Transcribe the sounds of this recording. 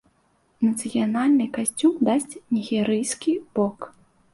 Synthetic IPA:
nɐt̪sɨjanalʲnɨkasʲt͡sʲumd̪asʲt͡sʲnʲiɣʲɛɾɨjskʲib̥ɔk

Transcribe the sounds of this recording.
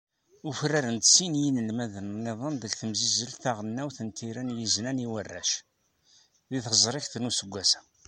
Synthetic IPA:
ufrːaɾənt̪sinjinəlmæðənnːɪðˤənðəkθəmzizəlθaʁənːæwθənt̪ʰːiɾænjiznæniwərːæ̰ʃ | ðiθəzˤɾˤɪçθnusəɡʷːæsæ̥

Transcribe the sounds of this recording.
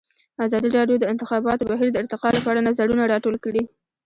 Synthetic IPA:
azɑd̪iɾɑɖjod̪əɪnt̪ɪxɑbɑt̪obaɦiɾd̪əɪɾt̪ɪqɑlapəaɽanazaɽunaɽɑʈolkəɽi

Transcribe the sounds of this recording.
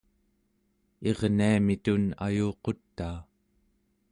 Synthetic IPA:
e̞ʁniamit̪una̰juːqo̞t̪ːaː

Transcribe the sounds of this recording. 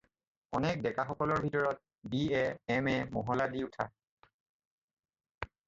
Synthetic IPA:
ɔnɛk̚dɛkaxɔkɔlɔɹbʱitɔɹɔt̚ | biɛɛmɛmɔɦɔladiutʰa

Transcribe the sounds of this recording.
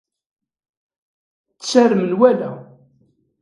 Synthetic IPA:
t͡ssæɾmənwælæ

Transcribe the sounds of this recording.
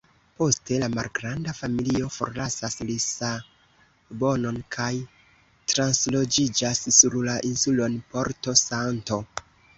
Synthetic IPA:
po̞ste̞lama̰lɡɾandafamilio̞fo̞̰ɾlasaslisa | bo̞no̞nkʰaj | tɾanslo̞d͡ʒid͡ʒasːuɾlaʔinsulo̞npo̞ɾto̞santo̞

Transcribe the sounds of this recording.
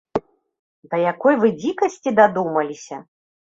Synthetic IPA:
d̪ɐjakɔjvɨd͡zʲikɐsʲt͡sʲid̪ad̪umɐlʲisʲɐ

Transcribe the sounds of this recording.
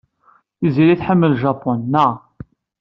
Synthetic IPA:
iziɾiθħəmːəlʒɑpːʊnːə

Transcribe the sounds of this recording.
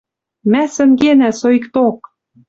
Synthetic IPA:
mæsɘ̆ŋɡenæsoikt̪ok̚

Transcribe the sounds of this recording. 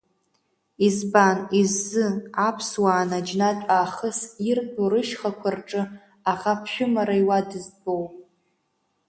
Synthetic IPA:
izbanizːɨapʰswaːnad͡ʒnatʷʼaːχəsirdoɾɨʃχakʷʰarʈ͡ʂʼɨ | aʁapʰʃᶣʊmaɾaiwadɨzbowʼ

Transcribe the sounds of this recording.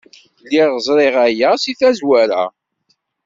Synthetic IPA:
liʁzˤɾɪʁæjæsiθæzwæɾa̰

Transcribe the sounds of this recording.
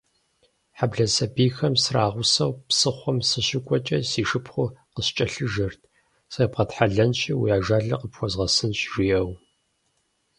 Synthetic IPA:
ħabɮɐsɐbiːxɐmsraːʁʷʊsɐwpsɨχʷɔmsɨɕɪkʷʼɔt͡ʃʼɐsiːʂɨpʰχʷʊqəɕt͡ʃʼɐɬɨʒɐrtʰ | sɐpqɐtħaɮɐnɕʼiwijaːʒaːɮɐ̰qəpxʷɔzʁɐsɨnɕʼʒijɐw

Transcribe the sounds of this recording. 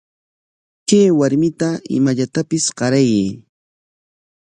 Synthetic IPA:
kajwaɾmɪt̪aɪ̰maʎat̪apɪsɢɑɾajeː

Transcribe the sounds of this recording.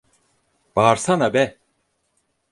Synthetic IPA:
b̥aːɾsanabɛ

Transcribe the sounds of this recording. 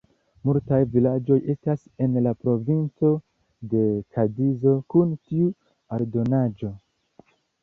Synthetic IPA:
multajvilad͡ʒo̞je̞stase̞nlapɾo̞vint͡so̞ | de̞kʰadizo̞kuntiu | aɾdo̞nad͡ʒo̞

